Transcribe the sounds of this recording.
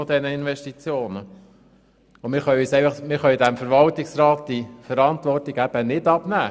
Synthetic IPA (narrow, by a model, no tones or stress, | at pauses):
ɔd̪ɛnəinʋɛʃtit͡sjoːnə | ʊmɪɾχœɥyːsɛɪfɑχmɪɾχœɥd̪æmfəɾʋɑltɪksɾɑːt̚d̥̪ifəɾɑnt̪ʋɔrtiɡæb̥ənɪdɑb̥næː